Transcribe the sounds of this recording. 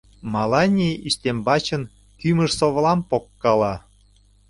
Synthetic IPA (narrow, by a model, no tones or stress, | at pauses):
mɑlɑnʲiʔiʃt̪embɑt͡ɕən | kyməʃsoβəlɑmpokːɑlɑ